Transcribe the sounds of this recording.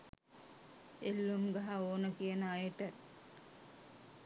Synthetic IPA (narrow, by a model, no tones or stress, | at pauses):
elːumɡaɦaoːnəkijənəajəʈə